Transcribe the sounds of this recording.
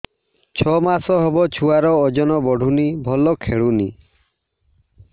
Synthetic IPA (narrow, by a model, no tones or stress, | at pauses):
t͡ʃʰɔmasɔɦɔbɔt͡ʃʰuaɾɔːd͡ʒɔnɔbɔɖʱunibʱɔlɔkʰeɭuni